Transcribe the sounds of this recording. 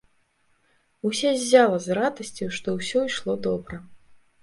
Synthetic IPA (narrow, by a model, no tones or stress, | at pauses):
usʲɛzʲːalˠɐzrad̪ɐsʲt͡sʲuʂt̪ɔwsʲɔiʂlˠɔd̪ɔbɾɐ